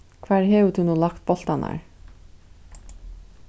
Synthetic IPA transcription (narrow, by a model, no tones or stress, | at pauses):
kʰvaːɹɦɛːʋt̪ʰunuːlakt̪̚bɔl̥t̪ana̰ɹ